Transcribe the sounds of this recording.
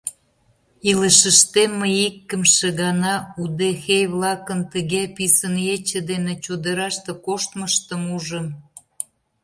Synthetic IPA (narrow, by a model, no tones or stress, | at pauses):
iləʃə̆ʃt̪emːəjikːə̆mʃeɣɑnɑud̪exejβlɑkənt̪əɣepisənet͡ɕə̆d̪enet͡ɕud̪əɾɑʃt̪ĕkoʃt̪məʃt̪əmuʒəm